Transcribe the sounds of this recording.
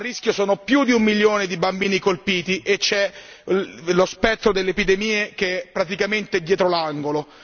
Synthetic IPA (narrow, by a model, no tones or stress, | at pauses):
arːisk̟josoːnopjud̪iumːiljoːned̪ibambiːnikolpiːt̪iʔet͡ʃːɛ | lospɛt̪ːɾod̪elːepid̪emiːek̟eɛpːɾat̪̬ikament̪eɛd̪ːjɛːt̪ɾolaŋɡolo